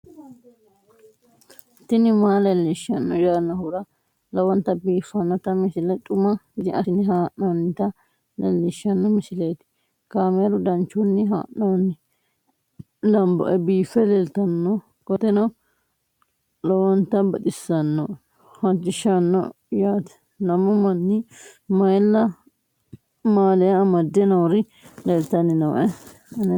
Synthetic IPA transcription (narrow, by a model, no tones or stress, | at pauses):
t̪ɪnɪmaːlɛlːɪʃɐnːɔjaːnːɐhʊɾɐ | lɐwɔnt̪ːɐbiːfːɐnːɐt̪ɐmɪsɪlɛt̪ʼʊmɐɪd̪ɪʔɐɪnɪɦaːʔnɐwnːɪt̪ɐ | lɛ̰lːɪʃːɐnːɔmɪsɪlejt̪ɪ̥ | kaːmeɾʊd̪ɐnt͡ʃːʊnːɪɦa̰ːʔnɐwnɪ | lɐmbɔ̰ʔɛbiːfɛlɛlt̪ɐnːɔ | kɔt̪ːɛnɐw | lɔwɔnt̪ɐbɐt̪ʼɪsːɐnːɔ | hɐd͡ʒɪʃɐnːɔ̰ | jaːt̪ɛ̥ | nɐmɔmɐnːɪmɐjlːɐ | maːlɛjɐːmɐd̪ːɛnɐwɾɪ | lɛlt̪ɐnːɪnɐw̰ʔɛ | n